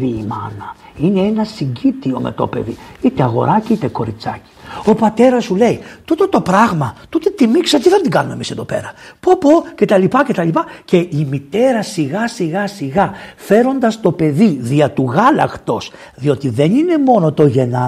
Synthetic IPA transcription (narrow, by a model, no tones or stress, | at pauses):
iːmɐ̰nɐine̞enɐsiɲɟit̪io̞me̞̰t̪o̞̰pe̞̰ðḭit̪eɐɣo̞̰ɾɐciit̪eko̞ɾit͡sɐci̥o̞pɐt̪e̞ɾɐsule̞it̪ut̪ot̪o̞pɾɐɣmɐt̪ut̪et̪imikseot̪iðe̞nd̪iŋɡɐnumemise̞ðo̞pe̞̰ɾɐpopo̞ce̞t̪ɐlipɐce̞t̪ɐlipɐce̞imit̪e̞ɾɐsiɣɐsiɣɐsiɣɐfe̞ɾo̞nd̪ɐst̪o̞pe̞ðiðiɐt̪uɣɐlɐ̰xt̪o̞s | ðio̞t̪iðe̞nine̞mo̞no̞t̪o̞ʝe̞nɐ